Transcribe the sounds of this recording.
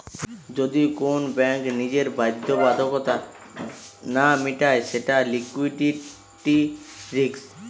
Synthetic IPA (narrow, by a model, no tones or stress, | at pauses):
d͡ʑod̪ikonbɛŋknid͡ʑeɾbajd̪ʱːobad̪ʱokot̪a | namiʈaeʃeʈalikwiʈi | ʈiɾiks